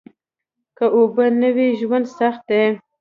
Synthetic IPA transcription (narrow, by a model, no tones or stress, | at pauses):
kəʔobənəweʒwand̪saxt̪̚d̪e